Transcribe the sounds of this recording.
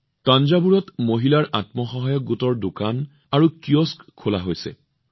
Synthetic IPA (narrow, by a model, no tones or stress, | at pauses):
tanzabuɹɔtmoɦilaɹʔa̰tmɔxɔɦajɔk̚ɡutɔɹdokan | aɹukioskkʰːolaɦojsɛ̰